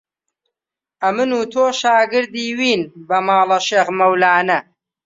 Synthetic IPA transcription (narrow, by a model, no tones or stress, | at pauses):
ʔɐmɨnuːt̪ʰoːʃaːɡɨɾd̪iːwiːnbɐmaːlɐʃeːɣmɐwlaːnɐ